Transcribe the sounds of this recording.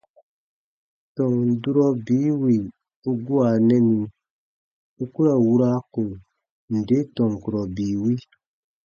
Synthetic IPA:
tɔ˨ŋ˨du˦ɾɔ˦biː˨˦wi˨ | u˦ɡu˦a˨nɛ̃˦nĩ˧˨ | u˦ku˦ɾa˨wu˦ɾa˦ko˨ŋ | n̩˨de˦tɔ̃˨ŋ˨ku˨ɾɔ˨biː˨wi˦

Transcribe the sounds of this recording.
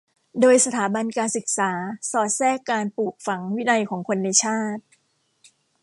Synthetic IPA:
doː˧jsa˧t̪ʰaː˩˦ba˧nkaː˧nsɯ˨˩k̚saː˩˦sɔː˨˩t̪̚sɛː˥˩kːaː˧npuː˨˩k̚fa˩˦ŋwi˦˥na˧jkʰɔː˩˦ŋkʰo˧nːa˧jt͡ɕʰaː˥˩t̪̚

